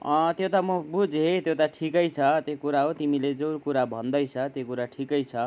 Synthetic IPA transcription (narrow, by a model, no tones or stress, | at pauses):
t̪jot̪amʌbʱud͡zɦet̪jot̪aʈʰikʌjt͡sʰʌt̪jokuɾaɦot̪imiled͡zʌwɾkuɾabʱʌnd̪ʌjʰʌt̪jokuɾaʈʰikʌjt͡sʰʌ